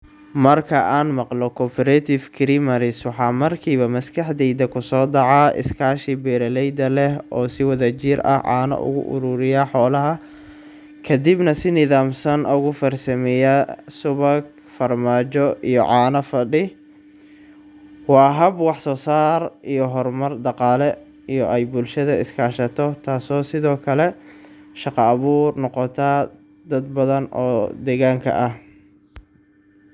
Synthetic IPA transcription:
mɐrkʰɐʔaːnmɑqlɔkʰɔːpʰɛɾɛt̪ʰɪfkʰɪɾɪmɐɾɪswɑħɑːmɐrkʰiːβɐmɐskʰɐħd̪ɛjd̪ɐkʰʊsɔːd̪ɑʕaɪ̰skʰaːʃibɛɾɐlɛjd̪ɐlɛɦɔːsɪwɐðɐt͡ʃiɾɐ̰hʕɑ̰ːnɐ̰ʔʊ̰ɣʊ̰ʔʊ̰ɾʊːɾɪjaħɔːlɐɦɐ | kʰɐd̪ibnɐsɪnɪðaːmsɐnʔʊɣʊfɐrsɐmɛjɐsʊβɐɡ | fɐrmaːt͡ʃɔijɔ̰ʕɑːnɐfɐɖɪ | wɑːɦɐbwɑħsɔːsaːrijɔɦɔrmɐrd̪ɑqɑːlɛ | ijɔʔɛjbʊlʃɐðɐɪskʰaːʃɐt̪ʰɔt̪ʰaːsɔːsɪðɔːkʰɐlɛʃɑqɑːβuːrnɔqɔt̪ʰa | d̪ɐd̪̚bɐðɐnɔ̰ːd̪ɛːɣaːŋkʰɐ̰ʔɐh

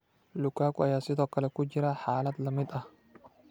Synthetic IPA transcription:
lʊkːaːkʊɐjaːsɪt̪ɔkːɐlɛkːʊd͡ʒɪɾaħaːlɐt̪lɐmɪt̪ʼɐ

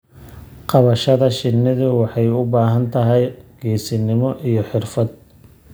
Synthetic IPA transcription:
qɑβɐʃɐðɐʃɪnːɪðʊwɑħɑjʊbaːɦɐnt̪ʰɐɦɛjɡ̥ɛːsɪnɪmɔʔijɞħɪrfɐd̪̚

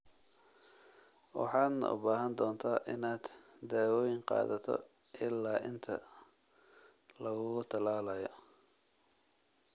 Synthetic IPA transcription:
wɑ̰ħɑːd̪nɐ̰ʔʊ̰baːɦɐnd̪ɔːnt̪ʰaːʔɪnaːd̪̥d̪aːwɔːjɪŋqɑ̰ːðɐt̪ʰɔ̰ | ʔɪlːaːʔɪnt̪ʰɐ̰ | lɐɣʊɣʊt̪ʰɐlaːlɐjɔ

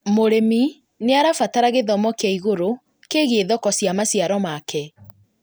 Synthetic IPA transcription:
moɾemi | neaɾafataɾaɣeðɔmɔkeaiɣoɾo | keɣeeðɔkɔsjamasiaɾɔmakʰɛ

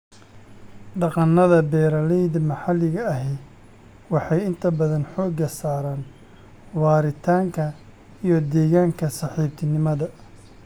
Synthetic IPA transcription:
ɖɑqɑnːɐðɐbɛːɾɐlɛjðɐmɐħɑlɪɣɐːɦɛ | wɑħɑjɪnt̪ʰɐbɐðɐnħɔːɡɐsaːɾaːn | wɑːɾɪt̪ʰaːŋkʰɐ | ijɞd̪ɛːɣaːŋkʰɐsɑħiːb̚t̪ʰɪnɪmɐðɐ

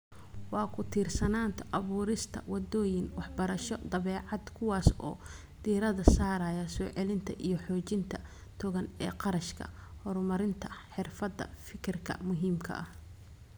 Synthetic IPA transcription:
wɑːkʰʊt̪ʰiːrsɐnaːnt̪ʰɐʔɐβuːɾɪst̪ʰɐ̰wɑd̪ɔːjɪnwɑħbɐɾɐʃɔd̪ɐβɛːʕɑd̪kʰʊwɑːsɔ̰ː | d̪̥iːɾɐðɐsaːɾɐjɐsɔːʕɛlɪnt̪ʰɐʔijɞħɔːt͡ʃɪnt̪ʰɐ | t̪ʰɔɣɐnɛ̰ːqɑɾɐʃkʰɐ̰hɔɾmɐɾɪnt̪ʰɐħɪrfɐd̪ːɐ̰fɪkʰɪrkʰɐ̰mʊɦiːmkʰɐ̰ʔɐh

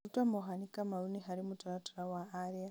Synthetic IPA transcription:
utamoɦanikamauniɦaɾimutaɾatuɾawaaɾia

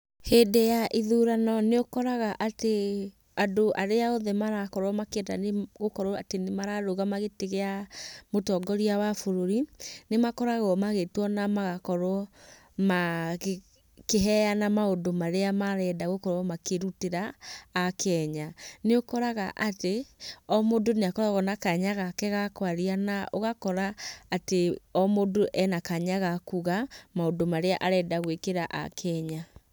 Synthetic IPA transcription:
hedejaʔiðuɾanɔneokɔɾaɣaʔate | adoʔaɾeaoðɛmaɾakɔɾwɔmakeɛda̰neɣokɔɾwɔatenemaɾaɾoɣamaɣeteɣeamotɔɡɔɾiawafoɾoɾinemakɔɾaɣɔmaɣetwɔnamaɣakɔɾwɔ | ma | keɦɛjanamaodomaɾeamaɾɛdaɣokɔɾwɔmakeɾuteɾaː | kɛɲaneokɔɾaɣaʔateɔmodoneakɔɾaɣɔnakaɲaɣakɛɣakwaɾianaʔoɣakɔɾaːteɔmodoʔɛnakaɲaɣakuɣamaodomaɾeaʔaɾɛdaɣwekeɾaʔa̰kʰɛɲa

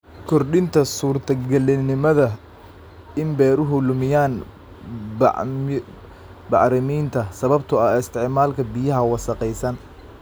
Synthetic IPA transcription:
kʰɔrɗɪnt̪ʰɐsuːrt̪ʰɐɡɐlɪnɪmɐðɐ | ɪmbɛːɾʊɦʊlʊmɪjaːn | bɑ̰ʕɾɪmiːnt̪ʰɐsɐβɐb̚t̪ʰʊɐɪst̪ʰɪʕmaːlkʰɐbɪjɐɦɐwɑsɐqɛjsɐn

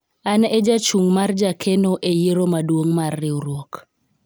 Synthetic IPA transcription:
aned͡ʒat͡ʃuŋmard͡ʒakʰenoʔejeɾomadwoŋmarːɪuɾwok

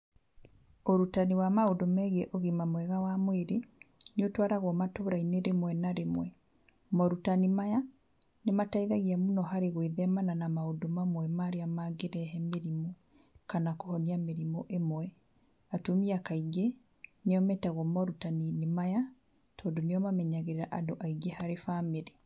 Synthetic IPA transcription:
oɾutaniwamaodomɛɣeʔoɣimamwɛɣawamweɾeneotwaɾaɣwɔmatoːɾaineɾemwɛnaɾemwɛ | mɔɾutanimaja | nemataiðaɣiamunɔɦaɾeɣweðɛmananamaodomamwɛmaɾeamaːɡeɾɛɦɛmeɾimo | kanakohɔniameɾimoʔemwɛ | atomiakaiɡe | neɔmɛtaɣɔmɔɾutaninemaja | tɔːdoneɔmamɛɲaɣeɾeɾaʔadoʔaiɡehaɾefameɾe

